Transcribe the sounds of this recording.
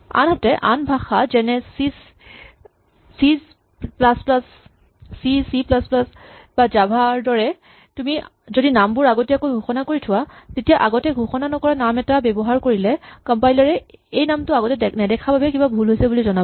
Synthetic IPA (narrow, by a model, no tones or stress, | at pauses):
a̰nɦɔtɛʔanbʱaxazɛnɛsis | siz | plasplas | sisiplasplasbazabʱaɹdɔɹɛ | tumi | zodinambʊɹaɡɔtɛakojɡʱuxɔnakoɹitʰʊwazetijaʔaɡɔtɛɡʱuxɔnanɔkɔɹanamɛtabɛbɔɦaɹkoɹilɛkɔmpajlaɹɛejnamtʊaɡɔtɛdɛnɛdɛkʰababɛkibabʱulɦojsɛbulizɔna